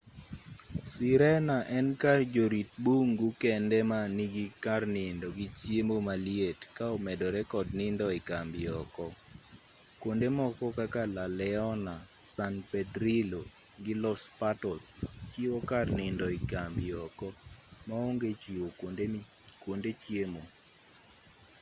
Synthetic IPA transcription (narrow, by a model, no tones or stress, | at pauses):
siɾɛnaʔɛnkard͡ʒoɾit̚buŋɡukɛndɛmaniɡikarnɪndɔɡit͡ʃjemomalietkaɔmɛdɔɾɛkɔdnɪndɔɪkambɪɔkɔ | kwondemɔkɔkakalalɛɔnasanpɛdɾilo | ɡɪlɔspatɔst͡ʃiwokarnɪndɔɪkambɪɔkɔmaoŋɡet͡ʃiwokode | kwondet͡ʃjemo